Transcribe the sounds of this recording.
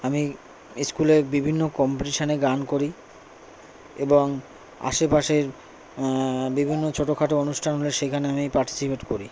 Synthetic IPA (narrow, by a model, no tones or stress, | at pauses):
ami | skulebibʱinːokɔmpeʈiʃaneɡankoɾi | eboŋ | a̰ʃepaʃeɾ | bibʱinːot͡ɕʰoʈokʰaʈoonuʃʈʰanɦoleʃekʰaneamipaɾʈi̥sipeʈkoɾi